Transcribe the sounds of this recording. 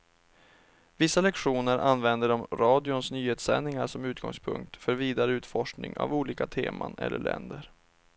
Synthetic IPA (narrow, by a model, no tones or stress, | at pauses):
vɪsːalɛkɧuːnəɾʔanvɛnd̪əɖɔmɾɑːd̪ɪʊnsnyːheːt̪sɛ̰nːɪŋaʂɔmʉ̟ːt̪̚ɡɔ̰ŋspʰɵ̰ŋk̚t̪fœɾviːd̪aɾəʉːt̪fɔʂknɪ̰ŋa̰vuːliːkat̪ʰḛːmanɛ̰lːə̰ɭɛ̰nd̪əɾ